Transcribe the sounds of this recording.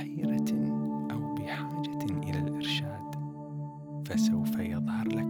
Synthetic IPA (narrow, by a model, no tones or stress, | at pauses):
hiːɾaʔawbɪħaːd͡ʒaʔɪ̰lalʔɪɾʃaːd̪̥ | fasawfajɑðˤhɑɾˤla